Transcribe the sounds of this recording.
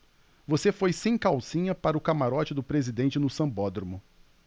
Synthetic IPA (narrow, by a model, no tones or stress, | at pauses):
vosefojsẽj̃kawsĩɲɐpaɾɐʊkamaɾɔt͡ʃɪd̪ʊpɾezid̪ẽnt͡ʃɪnʊsɐ̃bɔd̪ɾomʊ